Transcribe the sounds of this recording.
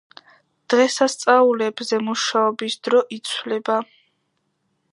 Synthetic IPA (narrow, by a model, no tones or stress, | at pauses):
d̪̥ʁɛsast̪sʼaulɛbzɛmuʃaɔbisd̪̥ɾɔʔit̪sʰwlɛba